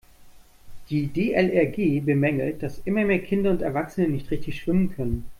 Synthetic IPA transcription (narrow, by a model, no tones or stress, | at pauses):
d̥iːdeːʔɛlɛɐɡeːbəmɛŋl̩t̚d̥asʔɪmɐmeːɐkʰɪndɐʊntɛɐvaksənənɪçtʁ̥ɪçtɪçʃv̥ɪmənkʰœnən